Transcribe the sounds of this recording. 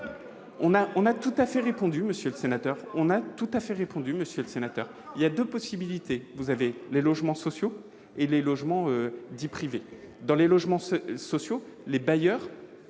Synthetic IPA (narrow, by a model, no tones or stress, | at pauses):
ɔ̃naʔɔ̃nat̪ut̪afɛʁepɔ̃d̪yməsjøləsenat̪œʁɔ̃nat̪ut̪afɛʁepɔ̃d̪yməsjøləsenat̪œʁ | iljad̪øpɔsibilit̪evuzavelelɔʒmɑ̃sɔsjo | elelɔʒmɑ̃ød̪ipχive | d̪ɑ̃lelɔʒmɑ̃sɔsjolebajœːʁ